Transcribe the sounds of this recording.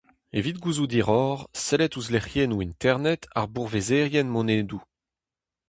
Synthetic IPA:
evit̪̚ɡuzud̪iʁɔːʁsɛlɛt̪uzleχjenuint̪ɛʁnɛt̪ʰa̰ʁbuʁvezeʁjɛnmɔneːd̪u

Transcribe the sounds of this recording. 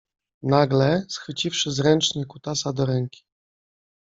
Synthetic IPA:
naɡlɛsxfɘt͡ɕifʂɘzɾɛnt͡ʂɲɛkut̪asad̪ɔɾɛŋkʲi̥

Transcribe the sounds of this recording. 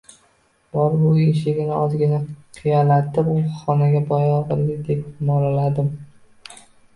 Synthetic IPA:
b̥ɒɾbʊeʃ̬ɪɡʲɪnɪɒzɡʲɪnaqʰijalat̪ːɪpʊχɒnaɡʲabɒjɒʁɨlːɪd̪e̞p̚mɒlalad̪ɪm

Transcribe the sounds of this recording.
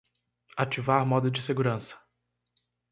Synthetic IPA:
at͡ʃivaɾmɔd̪ʊd͡ʒɪseɡuɾɐ̃sɐ̥

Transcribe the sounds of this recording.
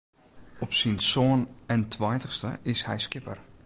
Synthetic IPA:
ɔpsinsoːənɛntʰwɔjtəxstə̰ɪshɛ̰jskɪpə̰r

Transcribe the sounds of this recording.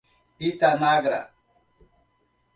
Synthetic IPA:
itanaɡɾa̰

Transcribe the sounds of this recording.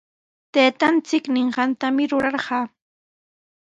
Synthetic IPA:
t̪eːt̪ant͡sɪknɪɴɢɑnt̪amɪɾʊɾɑɾɢɑː

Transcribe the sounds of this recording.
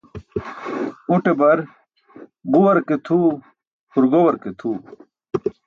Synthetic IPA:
uʈebɐɾ | ɡuwɐɾket̪ʰuː | huɾɡowɐɾket̪ʰuː

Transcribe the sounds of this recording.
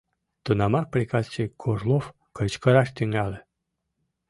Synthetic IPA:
t̪unɑmɑr̚plʲikɑzt͡ɕekʰoʒlˠof | kɤ̆t͡ɕkɤɾɑʃt̪yŋɡɑlʲe

